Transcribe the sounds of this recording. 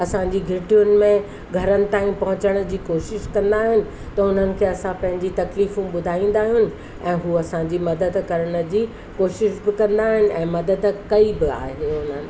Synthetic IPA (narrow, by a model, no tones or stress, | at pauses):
ɐsãɲd͡ʑiɡʱɪʈijʊnɪ̆mẽ | ɡʱɐɾənɪ̆t̪ãːĩpɐɦʊt͡ɕəɽ̃əd͡ʑiːkoːʃɪʃkɐ̃nd̪aːɦɪnɪ̆ | t̪ɐʊn̤ənɪ̆kʰeːɐsãpɐ̃ɦɪ̃ɲd͡ʑit̪ɐkliːfũɓʊd̪ʱaːĩːn̆d̪aːɦijʊnɪ̆ | ɛ̃ːɦuːɐsãd͡ʑiːmɐd̪əd̪kɐɾəɽ̃ə̆d͡ʑiː | koːʃɪʃbɪkɐ̃nd̪aːɦɪnɪ̆ɛ̰̃ːmɐd̪əd̪kɐibɪa̰ːɦeʊn̤ənɪ̆